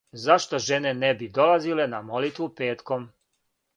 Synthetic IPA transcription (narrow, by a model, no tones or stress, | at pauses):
zaʃt̪o̞ʒenenebid̪o̞lazile̞namo̞lit̪ʋupeːt̪kom